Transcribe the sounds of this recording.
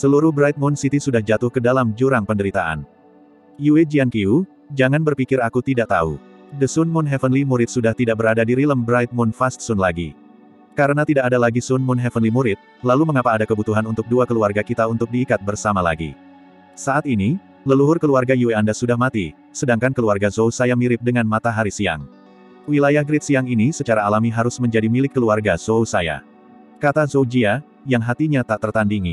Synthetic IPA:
səluɾʊhbɾajt̪̚mʊnsit̪isudahd͡ʒat̪ʊhkədalamd͡ʒuɾaŋpəndəɾit̪aʔa̰n | jued͡ʒiaŋkiu | d͡ʒaŋanbərpikɪɾakut̪idaʔ̚t̪a̰ṵ | dəsʊnmʊnɦɛfənlimuɾɪt̪̚sudaht̪idaʔ̚bəɾadadiɾiləmbɾajt̪̚mʊnfast̪̚sʊnlaɡḭ | kaɾənat̪idaʔadalaɡisʊnmʊnɦɛfənlimuɾɪt̪̚ | laluməŋapaːdakəbut̪uɦanunt̪ʊk̚duakəluarɡakit̪aunt̪ʊk̚diːkat̪̚bərsamala̰ɡḭ | saʔat̪ini | ləluɦʊrkəluarɡajueandasudahmat̪i | sədaŋkankəluarɡazousajamiɾɪp̚dəŋanmat̪aɦaɾisia̰ŋ | wilajahɡɾɪt̪siaŋinisət͡ʃaɾaːlamiɦaɾʊsməɲd͡ʒadimilɪkːəluarɡazousaja̰ | kat̪azod͡ʒia | jaŋɦat̪iɲat̪aʔt̪ərt̪andiŋi

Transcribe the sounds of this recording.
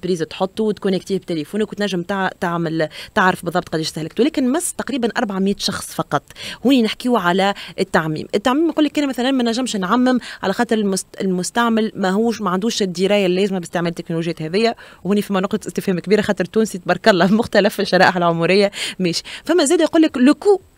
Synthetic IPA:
pɾiːzat̪ħot̪ˤːut̪kʊnɪkt̪iːhbt̪elefuːnkːnt̪næʒːɪmt̪t̪aʕmɪlt̪aʕɾɑfbɨðˤːɑb̚t̪̚ˤqɑd̪iːʃst̪æhlɪk̚t̪uwlɛːkɪnmæst̪ɑqɾiːbænʔɑɾˤbaʕamjɛːt̪ʃɑxsˤfɑqɑt̪ˤːhuːninɪħkiwʕalæʔɪt̪ːaʕmḭːmʔɪt̪ːaʕmiːmquːlːikːʔæːnmæθælænmænæʒːɪmʃnʕamːɪmʕalæxɑːt̪ˤɨɾˤɪlmʊɪlmʊst̪aʕmɪlmæɦuːʃmæʕand̪uːʃɪd̪ːiɾɑːjalːɛːzmæbɪst̪eʕmeːlt̪ːɪknoluːʒjæːt̪hɛðɪjːæwhuːnifæmːænʊqt̪ɑt̪ʔɪst̪ɪfhɛːmkbiːɾaxɑːt̪ˤɨɾˤt̪ːuːnsit̪̚bɑɾˤkɑlːɑmʊxt̪ælæfɪʃːɑɾˤɑːʔħalʕomuɾɪjːamɛːʃi̥fæmːæzæːd̪æjquːlːɪklʊku

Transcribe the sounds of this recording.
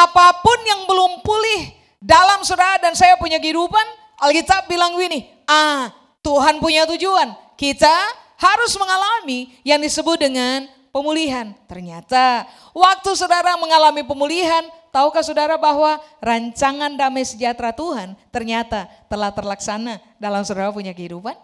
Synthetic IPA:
ʔapapʊnjaŋbəlʊmpulɪh | dalamsodaɾadansajapuɲaɡidupan | ʔalɡit̪abilaŋwinɪ | ʔa | t̪uɦanpuɲat̪ud͡ʒuan | kit̪a | haɾʊsməŋalami | jaŋdisəbʊt̪̚dəŋan | pəmuliɦant̪ərɲat̪a | wak̚t̪usodaɾaməŋalamipəmuliɦant̪aukasodaɾabaɦwaɾaɲt͡ʃaŋandamajsəd͡ʒat̪ɾat̪uɦant̪ərɲat̪at̪əlaht̪ərlaksana | dalamsodaɾapuɲakəɦidupan

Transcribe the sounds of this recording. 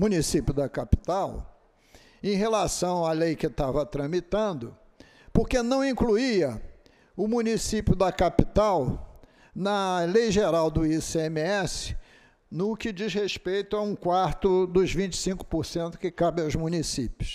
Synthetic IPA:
mũnisipjʊd̪ɐkapi̥t̪aw | ẽj̃ɦelasɐ̃w̃alejkɪt̪avɐt̪ɾɐ̃mit̪ɐ̃nd̪ʊ | poɾkenɐ̃w̃ĩkluiɐ | ʊmũnisipjʊd̪ɐkapit̪aw | nɐlejʒeɾawd̪ʊisemiɛsɪ̥ | nʊkɪd͡ʒizheʃpejt̪ʊɐaũkwaɾt̪ʊd̪ʊzvĩnt͡ʃɪ̥sĩŋkʊ̥poɾsẽnt̪ʊ̥kɪkabɪawzmũnisipjʊs

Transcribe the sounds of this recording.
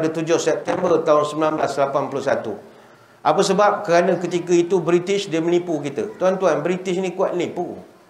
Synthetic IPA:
dət̪ud͡ʒʊhsɛp̚t̪ɛmbərt̪aʊnsəmbilanblaslapanpulʊsat̪ṵ | ʔapəsəbap̚kəɾanãkət̪ikəit̪ubɾit̪ɪʃdiəmənipukit̪ət̪uɦant̪uɦanbɾit̪ɪʃnĩkua̰t̪̚mnipu

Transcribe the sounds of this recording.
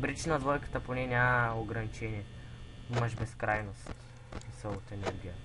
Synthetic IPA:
bɾit͡ʃnɐd̪vɔjkə̥t̪əponɛnʲaməoɡɾɐnit͡ʃɛniɛ | iməʃbɛskɾajnost̪ | isəlˠot̪ɛnɛɾɡʲijə

